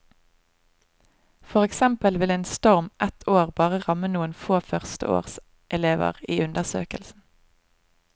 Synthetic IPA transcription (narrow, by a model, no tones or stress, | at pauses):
fɔʁɛksɛmpəlʋɪleːnst̪ɔʁmʔɛt̪ʰoːʁbɑːʁəʁɑmənuːənfoːfœʁst̪ə̰o̰ːʁs | ʔɛleːʋə̰ʁiːʉnd̪əʁsø̰ːkə̰lsn̩